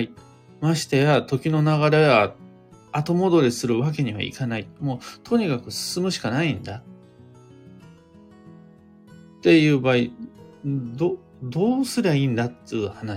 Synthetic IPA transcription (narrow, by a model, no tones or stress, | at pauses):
i | maɕi̥t̪ejat̪o̞kʲino̞naɣaɾe̞βa | at̪o̞mo̞d̪o̞ɾʲisɨɾɯ̟βak̬e̞ɲ̟iβa̰ḭkanaimoːt̪ʰo̞ɲ̟ikakɯ̟sɨ̥sɨmɯ̟ɕi̥kanaĩnd̪a | t̪e̞jɯ̟ːbaːi | d̪o | d̪o̞ːsɨɾeĩːnd̪at̪ːejɯ̟hanaɕ